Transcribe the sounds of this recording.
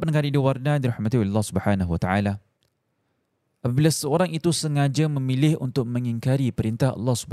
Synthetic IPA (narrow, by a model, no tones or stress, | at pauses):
pankanidiwarnadiɾahmat̪iolɛlːahsubəħanaɦwat̪aʕala | ʔapabilasəoɾaŋit̪usəŋãd͡ʒamə̃milɪhunt̪ʊk̚mə̃ŋiŋkaɾipəɾint̪ahɑ̰lːɑhsub